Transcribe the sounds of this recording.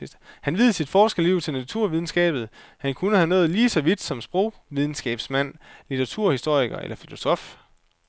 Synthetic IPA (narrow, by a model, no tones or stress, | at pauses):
hænʋið̞ˠsid̥fɒːsɡ̥əliʊ̰t͡sʰe̝lnæt͡sʰuɐ̰ʋið̞ˠn̩sɡ̥ɛ̰ːb̥ð̩ˠhænkʰunəhænɔ̽ːð̩ˠliːsɒ̽ʋid̥sɒ̽msb̥ʁɔʊ̰ʋið̞ˠn̩sɡ̥ɛ̰ːb̥smæn̰lit͡sʰɐʁɑt͡sʰuɐ̰hisd̥o̝ɐ̰iɡ̥ɐʔḛlɐfilo̝sɒ̽f